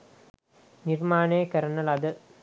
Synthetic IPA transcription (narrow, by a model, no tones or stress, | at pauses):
nirmaːɳeːkɐɾɐnɐlɐd̪ɨ